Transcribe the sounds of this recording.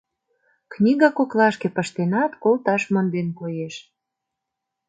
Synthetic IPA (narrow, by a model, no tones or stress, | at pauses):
knʲiɣɑkoklɑʃkepəʃt̪enɑt̪kolt̪ɑʃmə̆nd̪enkojeʃ